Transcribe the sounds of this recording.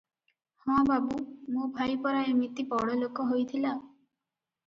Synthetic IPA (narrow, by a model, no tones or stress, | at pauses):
hɔ̃babumõbʱajpɔɾaemit̪ipɔɽɔlokɔɦojt̪ʰila